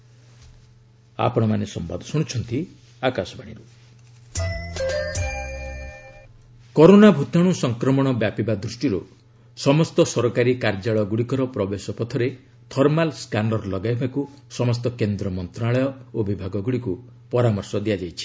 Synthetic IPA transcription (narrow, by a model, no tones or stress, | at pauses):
a̰pɔɽ̃ɔmanesɔmba̰d̪ɔsuɽ̃ut͡ʃʰɔnt̪i | akasɔbaɽ̃iɾu | kɔɾonabʱut̪aɽ̃usɔŋkɾɔmɔɽ̃ɔbjapibad̪ɾusʈiɾṵ | sɔmɔst̪ɔsɔɾɔkaɾikaɾd͡ʒaɭɔɡuɽikɔɾɔpɾɔbesɔpɔt̪ʰɔɾe | t̪ʰɔɾmalskanɖɔɾlɔɡajbaku | sɔmɔst̪ɔkend̪ɾɔmɔnt̪ɾaɭɔjɔobibʱaɡɔɡuɽiku | pɔɾamɔɾsɔd̪iad͡ʒajt͡ʃʰi̥